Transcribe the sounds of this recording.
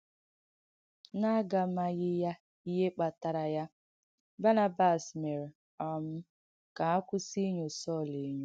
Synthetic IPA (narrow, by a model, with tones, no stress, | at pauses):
na˦ɡa˨ma˦ɣɪ˦ja˦ | i˦ɦe˦k͡pa˨ta˨ɾa˨ja˦ | ba˦na˨ba˨sme˨ɾe˨ | ɔ˨m̩˦ | ka˨a˦kʷʊ˦si˦ɲo˨sɔ˦˨le˨˦ɲo˦